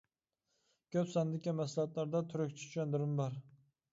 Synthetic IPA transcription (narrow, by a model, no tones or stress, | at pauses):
kʲʰøpsɑnd̪ɪkʲimɛslˠɑɑt̪lˠɑɾd̪ɑt̪ʰyɾøkʲt͡ʃʰi̥t̪ʰy̥ʃɛnd̪ɪɾɪmbɑɾ